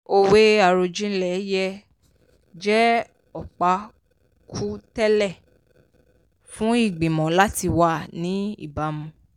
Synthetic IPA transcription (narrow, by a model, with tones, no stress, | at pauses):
o˧we˦a˨ɾo˧d͡ʒĩ˦lɛ˨˦jɛ˧ | d͡ʒɛ˦ | ɔ˨k͡pa˨˦ | kʰu˦tɛ˦lɛ˦˨ | fũ˦i˦˨ɡ͡bĩ˨mɔ̃˨la˦ti˧wa˧˨nĩ˨˦ḭ˦˨ba˨˦mũ˧